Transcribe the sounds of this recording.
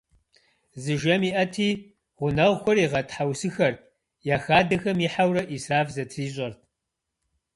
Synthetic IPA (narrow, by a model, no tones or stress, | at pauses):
zɨʒɐmiːʔɐtʰiː | ʁʷʊnɐʁxʷɔriːʁɐtħawsɨxɐr | jaːxaːdɐxɐmiħawrɐʔiːsraːfzɐtʰriːɕʼɐrtʰ